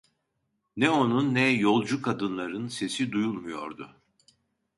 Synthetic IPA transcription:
nɛo̞nunːɛjo̞lˠd͡ʒukʰad̪ɯnlˠaɾɯnse̞sid̪ujulˠmujo̞̰ɾd̪ʊ

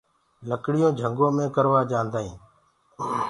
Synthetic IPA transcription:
ləkɽɪjõːd͡ʒʱəŋɡõːmẽːkəɾʋaːd͡ʒãːnd̪aːḭ̃ː

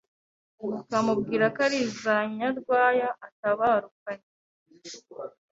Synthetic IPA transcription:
kamubɡiːɾakaɾizaɲaɾɡwaːjaʔːtaβaɾukaɲe

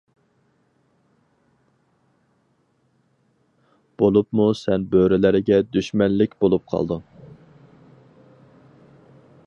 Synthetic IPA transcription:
b̥olˠupmusɛnbøɾɪlɪɾɪɡʲɛd̪yʃmɛnlːɪkʲbolˠup̚qʰɑ̰lˠd̪ɨŋ

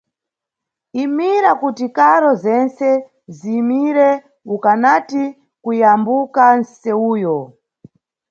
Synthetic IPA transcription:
imiɾakutikaɾɔzɛnsɛ | ziːmiɾɛ | ukanati | kujambukansɛuːjɔ

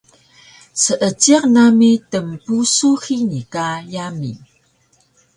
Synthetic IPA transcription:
səʔət͡siqnamitəmpusuxinikajamḭ

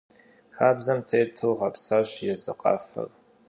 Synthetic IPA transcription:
xaːbzɐmtʰejtʰɨwʁɐpʰsaːɕjɛzɨqʼɑ̰ːfɐ̰r

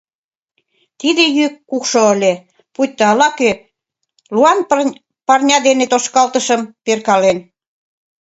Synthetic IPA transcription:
t̪id̪ejykːukʃoəlʲe | pujt̪ːoɑlɑkø | luɑn | pɑrnʲɑd̪enet̪oʃkɑlt̪əʃə̆mperkɑlen

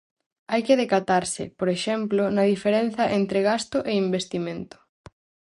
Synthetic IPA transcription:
ajkɪðekat̪aɾsɪ̰poɾeʃɛmplonɐðifeɾen̟θɐʔent̪ɾeɣast̪ʊʔeimbest̪imẽnt̪ʊ̥

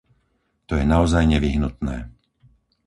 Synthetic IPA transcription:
t̪ɔjɛnaɔzajɲɛʋiɦnut̪nɛː

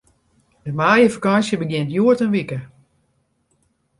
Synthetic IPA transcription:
dəmaːjəfakansjəbəɡjɪntjuətənʋikə

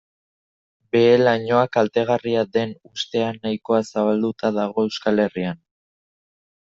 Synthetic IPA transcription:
be̞ːlaɲo̞akalt̪e̞ɣ̞ariaðe̞nust̪e̞anːajko̞asaβald̪ut̪aðaɣ̞o̞e̞wskale̞rian

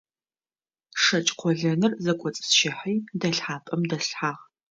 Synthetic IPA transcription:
ʂɐt͡ʃʼqʷʰɔɮɐnɨrzɐkʷʼɔt͡sʼsʃɪħiːdɐɬħaːpʼɐmdɐɬħaːʁ

